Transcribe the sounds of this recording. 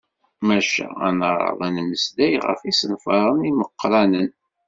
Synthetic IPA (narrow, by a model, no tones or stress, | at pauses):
mæʃæ̰æ̰nɾˤɑ̰ðˤænməsd̪æjʁə̰fisənfɑɾˤəniməqːɾˤɑnən